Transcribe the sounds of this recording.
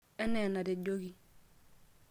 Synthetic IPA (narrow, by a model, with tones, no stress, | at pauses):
e˦ne˨na˨de˨ɟoɡi˨